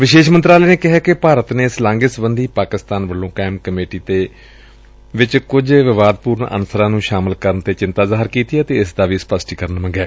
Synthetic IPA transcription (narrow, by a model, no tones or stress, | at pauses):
ʋɪʃeːʃmənt̪ɾaːlɛːneːkɪɦɛːkɪpaːɾət̪neːslãːŋɡɪsbənd̪iːpaːkɪst̪aːnʋəlːõːkɛːmkəmeːʈiːt̪eː | ʋɪt͡ʃkʊd͡ʒʋɪʋaːd̪̚puːɾɳə̰nsəɾãːnũːʃaːmɪlkəɾənt̪eːt͡ʃɪnt̪aːzaːɦɪɾkiːt̪iːɛːt̪eːɪsd̪aːʋiːspəsʈiːkəɾənmə̃ɡɛː